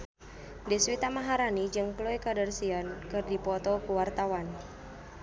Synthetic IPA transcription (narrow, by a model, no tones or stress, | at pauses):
diswit̪amaɦaɾanid͡ʒɨŋkloɛkadərsiankɨrdipɔt̪ɔkuwart̪awan